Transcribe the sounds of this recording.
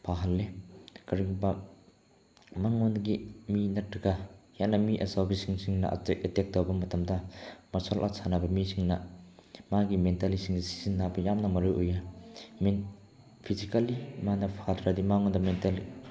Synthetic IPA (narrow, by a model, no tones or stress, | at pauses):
pʰaɦɐlːekɐɾiŋba | maŋɔnɡiminɐtɾɐɡɐjanːɐmiʔɐ̰sawbisiŋsiŋnɐ̰ʔa̰teʔetek̚dowbɐmɐtɐmdɐmɐsɔlʔa̰sʰanabɐmisiŋnɐmaɡimentalisiŋdisi̥zinːabɐjamnɐmɐɾojʔojamen | pʰizikalimanɐpʰadɾadimaŋɔndɐmentali